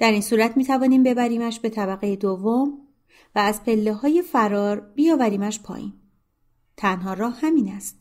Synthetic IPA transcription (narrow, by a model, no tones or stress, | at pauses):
d̪̥æɾiːnsuːɾæt̪ʰmiːt̪ʰævɒːniːmbe̞bæɾiːmæʃbe̞t̪ʰæβæɣejed̪ovːom | væːzpʰe̞lːeɦɒːje̞fæɾɒːɾb̥ijɒːvæɾiːmæʃpʰɒ̰ːʔḭːm | t̪ʰænɦɒːɾɒːhhæmiːnæst̪